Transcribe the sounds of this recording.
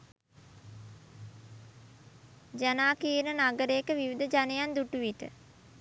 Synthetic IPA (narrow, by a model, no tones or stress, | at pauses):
d͡ʒanaːkiːənənaɡəɾeːkəʋiʋid̪əd͡ʒanejand̪uʈuʋit̪ə̰